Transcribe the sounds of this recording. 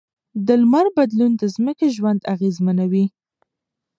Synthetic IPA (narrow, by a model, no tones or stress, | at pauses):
d̪əlmaɾbad̪lund̪əzməkeʒwand̪aɣezmanawi